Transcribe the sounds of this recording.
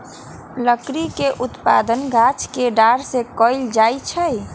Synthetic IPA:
ləkɾikeʔut̪pa̰d̪ənɡʱat͡ʃkeɖaɾsekɔɪld͡ʒajt͡ʃʰəj

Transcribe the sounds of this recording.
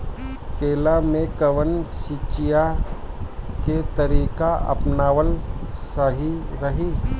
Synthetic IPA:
keːlamẽkəʋənsit͡ʃija | ket̪əɾiːkaɐ̰pnaːʋəlsəɦiɾəɦiː

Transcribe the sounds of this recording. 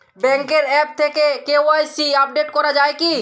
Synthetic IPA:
bɛ̃ŋkeɾɛp̚t̪ʰekekeoajsiap̚ɖeʈkɔɾad͡ʑaeki

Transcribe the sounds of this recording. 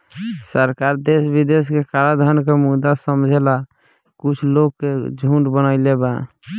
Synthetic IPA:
səɾkaɾd̪esbid̪eskekaɾad̪ʱənkemud̪asəmd͡ʒʱela | kut͡ʃʰlokːed͡ʒʱuʈbənaɪleba

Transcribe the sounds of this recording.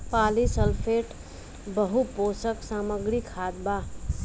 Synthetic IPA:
paːlisəlpʰeːʈ | bəɦupoːsəksaːməɡɾikʰaːd̪ba

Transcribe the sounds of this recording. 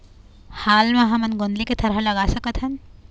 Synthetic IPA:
haːlmɐɦamɐnɡond̪liket̪ʰɐɾɦɐlɐɡaːsɐkət̪ʰɦɐn

